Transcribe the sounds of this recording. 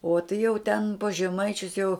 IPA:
oː tɐɪ jɛʊ tʲɛn pɐs ʒʲɛˈmɐɪt͡ʃʲʊs jɛʊ

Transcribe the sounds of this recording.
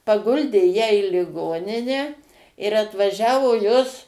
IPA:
pɐˈɡʊlʲdʲeː ˈjæː iː lʲɪˈɡoːnʲɪnʲæː ɪr ɐtʋɐˈʒʲæːʋoː ˈjoːs

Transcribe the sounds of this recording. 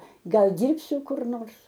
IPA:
ˈɡɐlˠ ˈdʲiːrʲpʲsʲʊ kʊr ˈnoːrs

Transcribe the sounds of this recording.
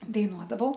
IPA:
dɐɪˈnuɔdɐʋɐʊ

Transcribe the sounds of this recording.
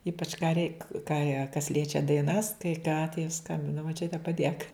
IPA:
ˈiːpɐt͡ʃ kɑː rʲɛɪk kɑː jɛ kɐs ˈlʲiɛt͡ʃʲɛ dɐɪˈnɐs kɐɪ kɑː tɐɪ ˈskɐmʲbʲɪnɐ moːˈt͡ʃʲʊtʲɛ pɐˈdʲeːk

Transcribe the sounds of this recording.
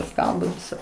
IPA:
ˈskɐlˠdoː ˈʋʲɪsɐ

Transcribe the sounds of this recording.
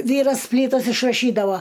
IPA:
ˈʋʲiːrɐs ˈpʲlʲiːtɐs ɪʃrɐˈʃʲiːdɐʋoː

